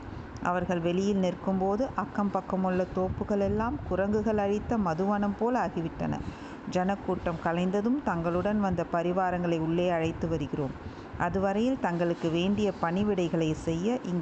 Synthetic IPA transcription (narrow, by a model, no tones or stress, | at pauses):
ʔɐ̰ʋɐɾɣɐɭʋɛɭɪjɪlnɪrkɯmpoːðɯʔɐkːɐmpɐkːɐmɯɭːɐt̪oːpːɯɣɐɭɛlːaːmkʊɾɐŋɡɯɣɐɭɐɻɪt̪ːɐmɐðɯʋɐnɐmpoːlaːɣɪʋɪʈːɐ̰nɐ̰ | d͡ʒɐnɐkːuːʈːɐmkɐlɐɪnd̪ɐðɯmt̪ɐŋɡɐɭɯɽɐnʋɐnd̪ɐpɐɾɪʋaːɾɐŋɡɐɭɐɪʊɭːeːɐɻɐɪt̪ːɯʋɐɾɯɣɪroːm | ʔɐðɯʋɐɾɐjɪlt̪ɐŋɡɐɭɯkːɯʋeːɳɖɪjɐpɐɳɪʋɪɽɐɪɣɐɭɐɪsɛjːɐʔɪŋɡ